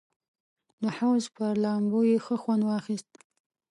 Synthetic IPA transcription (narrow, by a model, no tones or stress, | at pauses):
d̪əhawzpəɾlɑmbojexəxwand̪wɑxist̪̚